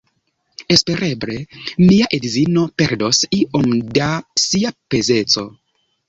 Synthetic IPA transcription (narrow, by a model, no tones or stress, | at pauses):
e̞spe̞ɾeble̞miaʔedizino̞pe̞ɾdo̞siʔomdasiape̞ze̞t͡so̞̰